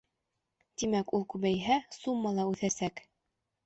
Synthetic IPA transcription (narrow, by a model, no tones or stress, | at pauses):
t̪imækulˠkʉβæjɦæsumːɑlˠɑʉθæsæk